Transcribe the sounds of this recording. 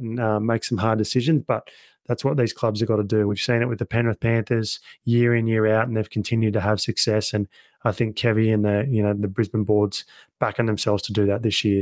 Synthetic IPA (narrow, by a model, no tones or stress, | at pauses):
nʌmeɪksʌ̃mɦɑɹdɨsɪʒɨ̃nzb̥ʌt̪̚ | ðætswʌt̪̚ðiz̥kʰl̥ʌbzə˞ɡɑɾədɨwiv̥sĩñɨʔ̚wɨðɨpʰɛ̃nə˞θpʰæ̃nθə˞z̥jɪɹɨ̃njɪɹaʊɾn̩ðeɪv̥kʰn̩tʰɪ̃njʉd̚tɨəv̥sɨksɛsɨ̃n | aɪθɪ̃ŋkʰːɛviɨ̃nðɨjɨnoʊðɨbɹɪzmə̃n̩bɔɹdz̥b̥ækɨ̃n̩ðɨ̃msɛlˠvz̥tʰədɨðɨt̪̚ðɪsjɪɹ